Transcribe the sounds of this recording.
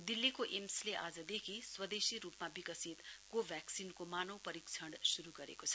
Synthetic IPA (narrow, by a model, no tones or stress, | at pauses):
d̪ilːikoʔemsleʔa̰d͡zʌd̪ekʰiswʌd̪esiɾupmabikʌsit̪kobʱjaksinkomanʌwpʌɾikt͡sʰʌɽsuɾuɡʌɾḛkot͡sʰʌ̥